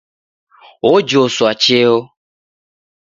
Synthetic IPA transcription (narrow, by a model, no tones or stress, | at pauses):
wod͡ʒosʊat͡ʃeo